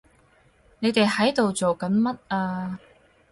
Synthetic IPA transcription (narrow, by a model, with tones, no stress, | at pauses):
ne˨˧jt̪e˨jhɐ˨˥jt̪o˨wt͡so˨wkɐ˨˥nmɐ˥t̚aː˧